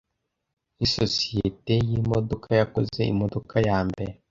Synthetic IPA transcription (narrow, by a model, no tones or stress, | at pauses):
isosietejimodokʰajakozeḭmodokajaːmbeɾe